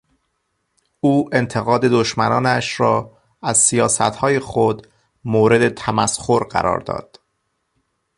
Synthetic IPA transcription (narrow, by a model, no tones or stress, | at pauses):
uːʔe̞nt̪ʰe̞ɣɒːd̪e̞d̪oʃmænɒːnæʃɾɒː | æzsijɒːsæ̰t̪hɒːjexod̪ | moːɾe̞d̪e̞t̪ʰæmæsxoɾɢæ̰ɾɒ̰ːɾd̪ɒ̰ːd̪̥